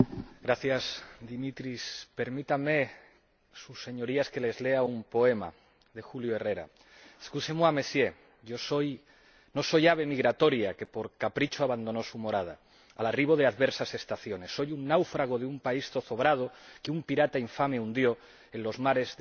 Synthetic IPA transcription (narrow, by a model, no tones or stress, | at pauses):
ɡɾaθjazðd̪imit̪ɾispe̞ɾmit̪ame | susːe̞ɲo̞ɾiaske̞le̞zle̞aumpo̞e̞ma̰ | ðe̞xuljoere̞ɾa̰ | eskusemoame̞sje̞ | ɟ͡ʝo̞so̞j | no̞so̞jaβe̞miɣɾat̪o̞ɾjake̞po̞ɾkapɾit͡ʃoaβand̪o̞no̞sumo̞ɾað̞a̰ | a̰lariβ̞o̞ð̞eaðβeɾsase̞st̪aθjo̞ne̞sːo̞junːawfɾaɣ̞o̞ð̞eumpaist̪o̞θo̞βɾað̞o̞keumpiɾat̪aiɱfame̞und̪jo̞ | enlo̞zmaɾe̞z